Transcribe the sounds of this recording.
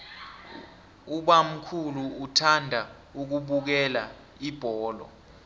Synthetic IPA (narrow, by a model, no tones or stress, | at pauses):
uɓam̩kʰuluːtʰandʱa | uk̬uɓuk̬ɛla | ib̥ʱɔːlɔ̰